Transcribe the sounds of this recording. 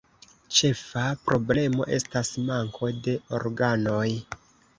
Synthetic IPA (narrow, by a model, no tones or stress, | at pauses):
t͡ʃe̞fapɾo̞ble̞mo̞̰ʔe̞stasmaŋkʰo̞de̞o̞̰ɾɡano̞j